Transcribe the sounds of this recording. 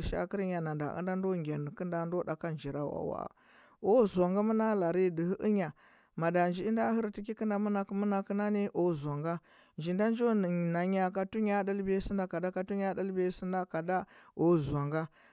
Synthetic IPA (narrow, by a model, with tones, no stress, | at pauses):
ʃa̰˦ki˦ɾɲa˨na˨nda̰˨ʔə̰˦nda˦ndo˦ŋɡʲa˨n˨kə˦nda˨ndo˦da˨ka˦nd͡ʒi˨ɾa˦˨wa̰˨wa̰˨ | o˦zʷa˨ŋɡa˦mə˦na˦la˨ɾi˦di˨hi˦ʔə˦ɲa˨ | ma˨da˨nd͡ʒi˦i˦da˦hi˦ɾti˦k̬i˦ki˦nda˨mə˦na˨kmə˦na˨kə˦na˦ni˦ʔo˨za˨ŋɡa˦ | nd͡ʒi˨nda˦nd͡ʒo˦˨na˨ɲa˨ka˨tu˦ɲa˦da˦lbe˦si˦nda˦ka˨da˦ka˨tu˦ɲa˦da˦lbe˦si˦nda˦ka˨da˦o˨za˨ŋɡa˦